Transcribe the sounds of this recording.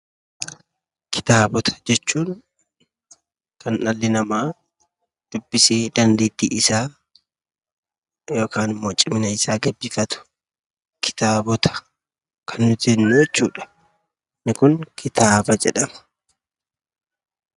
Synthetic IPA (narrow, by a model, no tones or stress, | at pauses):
kʰɪ̥t̪aːbɔt̪ʰɐ̥d͡ʒɛt͡ʃːuːn | kɐnɐlːɪnɐmaː | d̪̥ʊbːɪse̞ːd̪ɐnd̪eːt̪ːḭːʔɪsaː | jo̞ːkʰaːnɪmːo̞ːt͡ʃʼɪmɪnɐɪsaːɡɐbːɪfɐt̪ʊ̥ | kɪ̥t̪aːbɔt̪ʰɐ̥ | kʰɐnːʊt̪enːʊɛt͡ʃːuːᶑɐ̥ | nɪkʊŋkʰɪt̪aːbɐd͡ʒɛᶑɐmɐ̥